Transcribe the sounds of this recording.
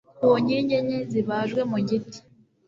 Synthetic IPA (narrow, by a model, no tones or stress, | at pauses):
oɲiːɲɟe̞ɲeziβaːʒɡwe̞muɟiti̥